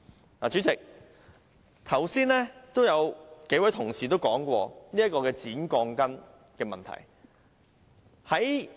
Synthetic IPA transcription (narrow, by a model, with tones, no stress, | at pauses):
laː˨˩t͡ʃyː˨˥t͡sɪ˨k̚ | t̪ʰɐ˨˩wsiː˥nlɛː˥t̪o˥wjɐ˨˧wke˨˥jwɐ˨˥jt̪ʰʊ˨˩ŋsiː˨˩t̪o˥wkɔː˨˥ŋkʷɔː˧niː˥jɐ˥t̚kɔː˧kɛː˧t͡siː˨˥nkɔː˧ŋkɐ˥n | kɛː˧mɐ̰˨nt̪ʰɐ̰˨˩j | hɐ˨˥j